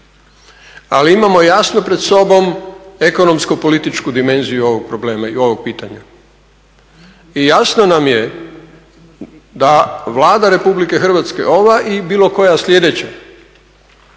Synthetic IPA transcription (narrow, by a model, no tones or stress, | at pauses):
a̰liimamo̞jasnopɾed̪so̞bo̞me̞ko̞no̞mskopo̞lit̪it͡ʃkud̪ime̞nzijuo̞ʋoɡ̚pɾo̞ble̞ːmaio̞ʋoɡ̚piːt̪aɲa | ijasnonamje | d̪aʋlˠaːd̪aɾe̞publike̞xr̩ʋat̪ske̞̰ʔo̞ʋaʔibiːlˠo̞ko̞jaslʲʎʲe̞d̪e̞t͡ɕa